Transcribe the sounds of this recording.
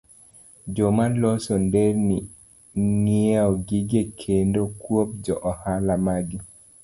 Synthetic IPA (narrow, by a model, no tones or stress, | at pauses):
d͡ʒomalɔsɔndɛrni | nieɔɡiɡekʰendokwop̚d͡ʒɔʔɔhalamaɡi